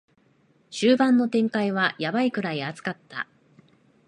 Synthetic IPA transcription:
ɕɨːbãnːo̞t̪ẽ̞ŋkaiβ̞ajabaikɯ̟ɾaiat͡sɨ̥kat̪ːa̰

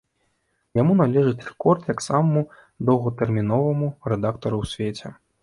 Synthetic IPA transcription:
jamun̪alʲɛʐɨt͡sʲrɛkɔrt̪jaksamɐmu | d̪ɐwɣɐt̪ɛrmʲinɔvɐmurɛd̪akt̪ɐɾuwsʲvʲet͡sʲɛ

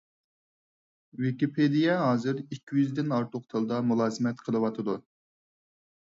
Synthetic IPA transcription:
vɪkʲipʰed̪ijɛɦɑːzɨɾikʲʰːijyzd̪ɪnɑɾt̪ʰʊqt̪ʰɨlˠd̪ɑmulˠɑːzɨmɛt̪qʰəlˠɨwɑt̪ʰɨd̪u

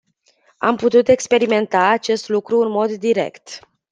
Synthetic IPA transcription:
a̰mput̪ut̪e̞kspe̞ɾime̞nt̪aːt͡ʃe̞st̪lukɾuɨnmo̞d̪ːiɾe̞̰kt̪

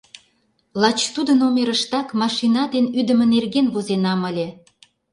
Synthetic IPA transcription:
lɑt͡ɕt̪ud̪ənomeɾəʃt̪ɑkmɑʃinɑd̪enyd̪ə̆mə̆nerɣenβozenɑməlʲĕ

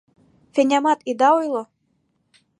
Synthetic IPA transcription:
fenʲamɑt̪id̪ɑojlˠo

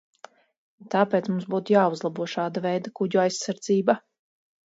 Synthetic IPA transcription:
t̪aːpeːt̪smumsbuːt̪jaːuzlˠabuɔʃaːd̪avɛjd̪akuɟuajsaɾd̪ziːba

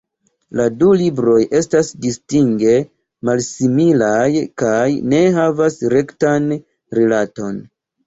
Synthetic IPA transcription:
ladulibɾo̞jʔe̞stasdistiŋɡe̞ | malsimilajkajne̞ɦavasɾe̞ktan | ɾielato̞n

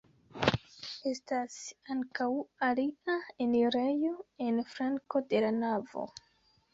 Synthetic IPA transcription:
e̞stasaŋkawaliaeniɾejo̞e̞nfɾaŋko̞de̞lanavo̞̰

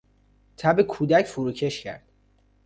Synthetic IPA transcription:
t̪ʰæbekʰuːd̪æcfuɾuːcʰe̞ʃcʰæ̰ɾd̪̥

